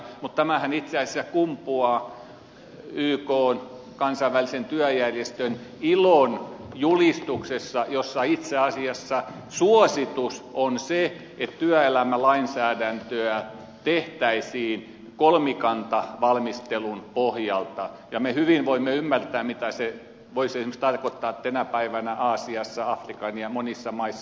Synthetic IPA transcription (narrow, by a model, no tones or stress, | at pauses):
mut̪t̪æmæhænit̪seɑisesækumpuɑː | yːkoːn | kɑnsɑiʋælisent̪yæjærjest̪ønilonjulist̪uksesːɑjosːɑit̪seɑsiɑsːɑ | suosit̪usonse | et̪t̪yæelæmælɑinsæːdænt̪øæ | t̪eht̪æisiːn | kolmikɑnt̪ɑʋɑlmist̪elunpohjɑlt̪ɑ | jɑmehyʋinʋoimːeymːært̪æːmit̪æse | ʋoisesimekst̪ɑrkot̪ːɑːt̪t̪ænæpæiʋænæʔɑːsiɑsːɑɑfrikɑniɑmonisːɑmɑisːɑ